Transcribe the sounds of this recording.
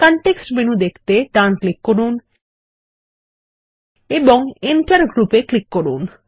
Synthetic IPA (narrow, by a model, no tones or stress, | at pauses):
kɔɳʈeksʈmenud̪ekʰt̪eʈanklikːoɾun | eboŋiɳʈaɾɡɾupeklikːoɾun